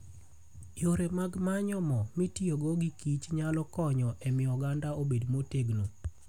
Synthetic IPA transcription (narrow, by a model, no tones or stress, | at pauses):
joɾemaɡmaɲɔmɔmitioɡoɡikit͡ʃɲalɔkɔɲɔʔemɪɔɡandaobedmoteɡno